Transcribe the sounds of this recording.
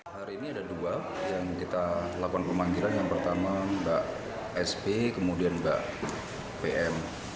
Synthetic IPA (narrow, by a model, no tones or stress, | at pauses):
haɾiːniadadua | jaŋkit̪alakukanpəmaŋɡilanjaŋpərt̪amabaʔ | ɛsbekəmudianba̰ʔ | peʔɛl